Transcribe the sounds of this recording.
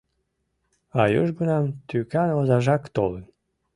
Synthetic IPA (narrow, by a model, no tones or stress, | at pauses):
ɑjoʒɡunɑmt̪ykɑnozɑʒɑkt̪o̰lɨn